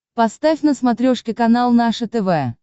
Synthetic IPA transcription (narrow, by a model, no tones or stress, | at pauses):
pɐst̪afʲnəsmɐt̪ɾʲoʂkʲɪkɐnalˠnaʂət̪ɛvɛ